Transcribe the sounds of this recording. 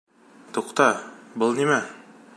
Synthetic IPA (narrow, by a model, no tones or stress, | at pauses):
t̪uqt̪ɑbɤlˠnimæ